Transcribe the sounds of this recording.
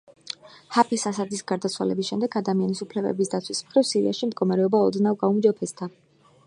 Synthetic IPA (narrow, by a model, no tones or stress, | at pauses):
hapʰɛsasad̪isɡaɾd̪at̪sʰwa̰lɛ̰bisʃɛmd̪ɛɡad̪amianisupʰlɛbɛ̰bisd̪at̪sʰwismχɾivsiɾḭaʃimd̪̚ɡɔmaɾɛɔbaɔd̪navɡaumd͡ʒɔpʰɛst̪ʰa